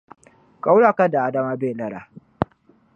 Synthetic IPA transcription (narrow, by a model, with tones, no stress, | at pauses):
kʼa˦wɽaː˦˨ka˦da˨ʔa˦da˦maː˦beː˦˨lɐ˦ɽa̰ː˨